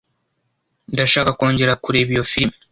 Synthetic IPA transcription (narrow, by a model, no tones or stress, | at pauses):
ndaʃaːkako̞ːɲɟe̞ɾakuɾe̞ːβijo̞fiɾim